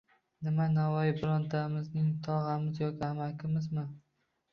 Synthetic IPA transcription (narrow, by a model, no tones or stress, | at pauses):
nɪmanavɒjɪbʊɾɒnt̪ʰamɪznɪŋt̪ʰɒʁamɪzjɒkʲɪamakʲɪmɪzmɪ